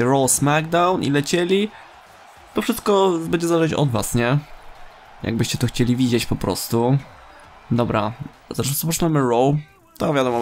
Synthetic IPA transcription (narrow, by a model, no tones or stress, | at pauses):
ɛɾɔwsmaɡd̪awnʔḭlɛt͡ɕelʲi | t̪ɔfʂɘst̪̚kɔbɛɲd͡ʑɛzalɛt͡ɕɔ̰d̪va̰sɲɛ | jʔa̰ɡ̚bɘɕt͡ɕɛt̪ɔxt͡ɕelʲivʲid͡ʑet͡ɕpɔpɾɔ̰st̪u | d̪ɔbɾa | zaʂsɔpɔt͡ʂnamɘɾɔw | t̪ɔvʲjad̪ɔmɔ